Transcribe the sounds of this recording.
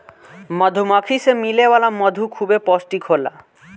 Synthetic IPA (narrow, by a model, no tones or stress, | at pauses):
mɔd̪ʱumɔkʰisemilebalamɔd̪ʱukʰubepɔsʈikʰola̰